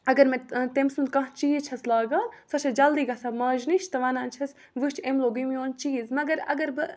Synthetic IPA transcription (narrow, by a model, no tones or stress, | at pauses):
ɐɡɐɾmẽt̪emsund̪̚kɐ̃ɦt͡ʃiːt͡ʃʰɐslaːɡaːsɐt͡ʃʰɐd͡ʒɐld̪iːɡɐsamaːʒniʃʰt̪ɐʋɐnãːnt͡ʃʰɐs | ʋɨt͡ʃʰemloːɡɨmijoːnt͡ʃiːzmɐɡɐɾɐ̰ɡɐɾbɨ